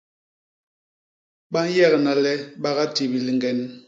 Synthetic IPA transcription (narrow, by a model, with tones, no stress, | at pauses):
ɓa˦n˦jɛ˦˨ɣna˨lɛ˦ɓa˦ɣa˦ti˨bi˨li˨ŋɡɛ˨n